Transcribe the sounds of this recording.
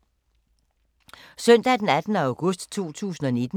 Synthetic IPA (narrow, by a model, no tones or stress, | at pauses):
sœn̰d̥æd̥enæd̥n̩əɑ̈ʊɡ̥ɔ̽sd̥t͡sʰo̝̰ːt͡sʰṵːsn̩ɒ̽ned̥n